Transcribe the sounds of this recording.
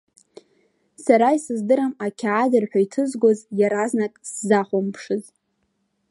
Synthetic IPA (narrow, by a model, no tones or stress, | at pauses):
saɾaisɨzdɨɾamakʲʰaːdɨrħʷᶣajtʰɨzɡʷozjaɾaznakʼsːaχʷʊmpʰʂɨz